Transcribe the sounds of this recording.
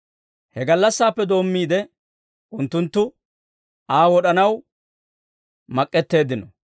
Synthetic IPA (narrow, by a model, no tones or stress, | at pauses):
hɛɡɐlːɐsːaːpːɛd̪o̞ːmːiːd̪ɛ | ʊnt̪ːʊnt̪ːʊ | aːwɔɗɐnɐw | mɐkʼːɛt̪ːe̞ːd̪ɪnɔ